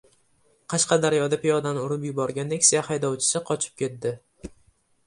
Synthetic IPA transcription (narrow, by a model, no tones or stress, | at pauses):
qʰɑʃqɑd̪aɾjɒd̪apɪjɒd̪anʊɾʊpjʊbɒɾɡʲand̪ekʲsijahajd̪ɒwt͡ʃʰɪ̥sɪqʰɒt͡ʃʰɪ̥p̚kʲʰe̞t̪̚d̪ɪ